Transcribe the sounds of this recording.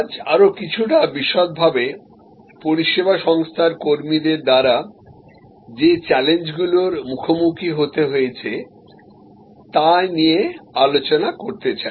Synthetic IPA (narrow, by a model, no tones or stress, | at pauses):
d͡ʑa̰ɾokit͡ɕʰuʈabiʃot̪̚bʱabe | poɾiʃebaʃɔŋst̪ʰaɾkoɾmid̪eɾd̪aɾa | d͡ʑet͡ɕɛlend͡ʑɡuloɾmukʰomukʰiɦot̪eɦojet͡ɕʰe | t̪aniealot͡ɕonakoɾt̪et͡ɕae